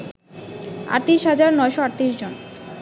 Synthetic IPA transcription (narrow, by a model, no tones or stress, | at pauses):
a̰ʈt̪iiʃɦad͡ʑaɾnɔeʃoaʈt̪iʃd͡ʑon